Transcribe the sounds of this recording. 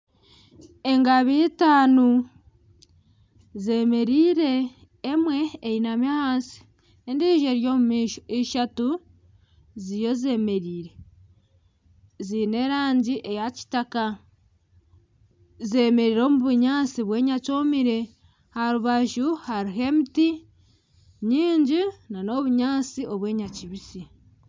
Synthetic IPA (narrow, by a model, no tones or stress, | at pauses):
e̞ŋɡaβitaːnu | ze̞me̞ɾiːɾe̞ː | mwe̞ːjinamahaːsi̥ | endiʒe̞ɾjoːmumiʃiʃatu | zijo̞ze̞ːme̞ɾiːɾe̞ | zine̞ɾaːɲɟiʔe̞jaci̥taka | ze̞me̞ɾiːɾo̞ːmuβuɲaːt͡siβwe̞ːɲaco̞ːmiɾe̞ | haɾuβaʒuhaɾiɦe̞miti | ɲiːɲɟinano̞βuɲaːt͡sio̞βwe̞ːɲaciβisi